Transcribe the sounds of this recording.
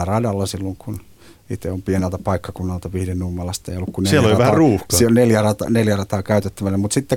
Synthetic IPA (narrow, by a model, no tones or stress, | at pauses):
ærɑjɑlːɑsilːoŋkun | ḭt̪eompienelt̪æpɑikːɑkunːɑlt̪ɑʋiːdennumːɑlɑst̪eijolːukkunnesielːoliɑʋæhæɑruːhkɑionneljærɑt̪ɑ̰neljærɑt̪ɑːkæyt̪et̪ːæʋælːemut̪sit̪ːe